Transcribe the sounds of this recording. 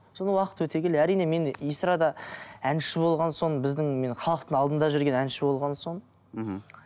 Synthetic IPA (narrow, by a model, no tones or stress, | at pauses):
so̞nəwɑqət̪wɵt̪e̞kʲeleæɾijne̞me̞nijsɾɑd̪ɑænʃɪbo̞lˠʁɑnso̞nbɪzd̪ɪŋme̞nχʰɑlˠəq̚t̪əɴɑlˠd̪ənd̪ɑʒʏɾɡʲe̞nænʃɪbo̞lˠʁɑnsoɴ